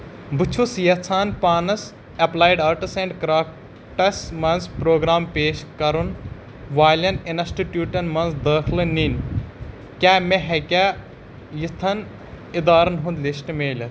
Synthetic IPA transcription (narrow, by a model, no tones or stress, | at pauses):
but͡ʃʰusjɐt͡sʰaːnpaːnɐs | ɐplaːjɖaːɾʈɐsẽɳɖkɾaːk | ʈɐsmɐnzpɾoːɡɾaːmpeːʃkɐɾun | ʋaːlʲɐninsʈiʈjuːʈɐnmɐnzd̪əːkʰlɨnin | kʲaːmeɦekʲaː | jit̪ʰɐn | id̪aːɾɐnɦũnd̪lisʈmeːlʲɐ